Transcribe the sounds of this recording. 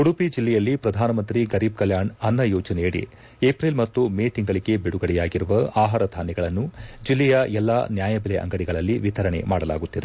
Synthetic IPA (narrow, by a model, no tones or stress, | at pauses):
kuɽupid͡ʒilːɛjɐlːipɾɐd̪ʱaːnɐmɐnt̪ɾiɡɐɾiːb̚kɐljaːɳɐnːɐjoːd͡ʒɐnɛjɐɽḭ | eːpɾilmɐt̪ːumeːt̪iŋɡɐɭiɡe̞biɽuɡɐɽɛjaːɡiɾuʋɐaːɦaːɾɐd̪ʱaːnɛɡɐɭɐnːud͡ʒilːɛjɐʔɛlːaːnjaːjɐbilɛʔɐ̰ŋɡɐɽiɡɐɭɐlːiʋit̪ʰɐɾɐɳḛmaːɽɐla̰ːɡut̪ːid̪e